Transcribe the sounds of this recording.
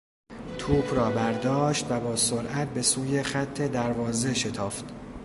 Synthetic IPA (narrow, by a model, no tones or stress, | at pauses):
t̪ʰuːbrɒːbæɾd̪ɒːʃt̪væbɒːsoɾʔæt̪̚be̞suːje̞xæt̪ʰːe̞d̪æɾvɒːze̞ʃet̪ʰɒːft̪